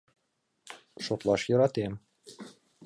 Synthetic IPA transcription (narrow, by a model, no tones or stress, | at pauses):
ʃot̪lˠɑʃjɤ̆ɾɑt̪em